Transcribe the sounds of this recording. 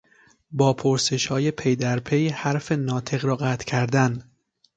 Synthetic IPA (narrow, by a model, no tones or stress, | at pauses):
bɒːpʰoɾse̞ʃhɒːje̞pʰejd̪æɾpʰe̞jhæɾfe̞nɒːt̪ʰe̞ɣɾɒːɣæt̪ʰcʰæɾd̪æn